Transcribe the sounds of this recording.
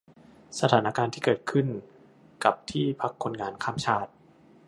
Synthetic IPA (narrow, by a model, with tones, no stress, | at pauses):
sa˧t̪ʰaː˩˦na˦˥kaː˧nt̪ʰiː˥˩kɤː˨˩t̪̚kʰɯ˥˩n | ka˨˩p̚t̪ʰiː˥˩pʰa˦˥kʰːo˧nŋaː˧nkʰaː˥˩mt͡ɕʰaː˥˩t̪̚